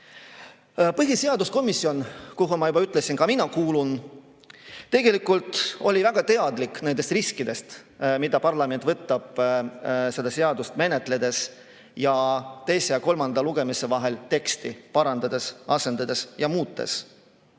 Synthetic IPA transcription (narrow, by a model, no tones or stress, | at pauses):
pɤɦise̞ɑd̪usko̞misːio̞nkuɦumɑjubɑyt̪ˑle̞sinkɑminɑkuːlun | t̪e̞ɡ̥e̞likˑult̪ˑo̞lʲivæɡ̥ɑt̪e̞ɑd̪likːnend̪e̞st̪riskid̪e̞st̪ | mid̪̥ɑpɑrlɑme̞nt̪vɤt̪ːɑb̥ | se̞d̪̥ɑse̞ɑd̪ust̪me̞ne̞t̪ˑle̞d̪̥e̞s | jɑt̪e̞jsejɑko̞lmɑnd̪ɑluɡ̥e̞misevɑɦe̞lt̪e̞kst̪ipɑɾɑnd̪̥ɑd̪̥e̞sɑse̞nd̪ɑd̪e̞sjɑmuːt̪ːˑe̞̰s